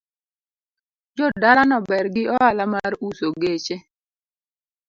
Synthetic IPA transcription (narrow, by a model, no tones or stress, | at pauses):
d͡ʒɔdalanɔbɛrɡɪɔalamaɾusoɡet͡ʃe